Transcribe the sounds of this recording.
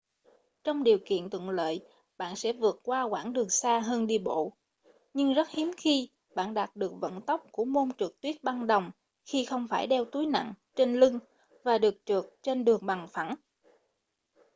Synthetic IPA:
t͡ɕɔ˧wŋ͡mɗi˨˩əwkḭ˧˨ənt̪wə̰˧˨ŋlə̰ː˧˨j | ɓa̰ː˧˨nsɛ̰˧˥vɨ˨˩ət̚kwaː˧kwaː˧˩nɗɨ˨˩əŋsaː˧ɦəː˧nɗi˧ɓo̰˧˨ | ɲɨ˧ŋzə˦˥t̚hi˨˦əmxi˧ | ɓa̰ː˧˨nɗaː˨˩t̚ɗɨ˨˩ək̚və̰˧˨nt̪ə˦˥wk͡p̚ku˧˩əmo˧nt͡ɕɨ˨˩k̚t̪wi˦˥ət̚ɓa˧nɗə˨˩wŋ͡m | xi˧xə˧wŋ͡mfaː˧˩jɗɛ˧wt̪u˨˦jna̰˧˨ŋt͡ɕe˧nlɨ˧ŋ | vaː˨˩ɗɨ˨˩ək̚t͡ɕɨ˨˩ək̚t͡ɕe˧nɗɨ˨˩əŋɓa˨˩ŋfa˧˩n

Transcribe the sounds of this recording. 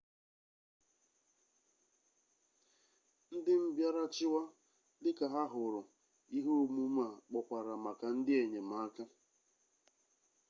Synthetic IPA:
n̩˦dɪ˦m̩˦bja˦ɾa˦t͡ʃɪ˦wa˦ | lɪ˦ka˨ɦa˦ɦʊ˨ɾʊ˨ | i˦ɦo˦o˦mu˦m̩˦a˨k͡pɔ˨kʷa˨ɾa˨ma˨ka˨n̩˦dɪ˦e˨ɲe˨ma˨˦a˦ka˦

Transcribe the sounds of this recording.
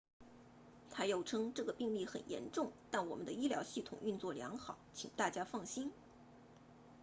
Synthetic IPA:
t̪ʰa˥jo˨˩ʊʈ͡ʂʰɤ˥ŋʈ͡ʂɤ˥˩ɡə˩pi˥˧ŋli˥˩xə̰˨˩njɛ̰˧˥nʈ͡ʂʊ˥˩ŋt̪a˥˩nwɔ̰˨˩mə˦nd̪ə˦i˥ljɑ˧˥ʊɕi˥˩t̪ʰʊ̰˨˩ŋy˥˧nt͡swɔ˥˩ljɑ̰˧˥ŋxɑ˨˩˦ʊt͡ɕʰḭ˨˩ŋt̪a˥˩t͡ɕja˥fɑ˥˩ŋɕi˥n

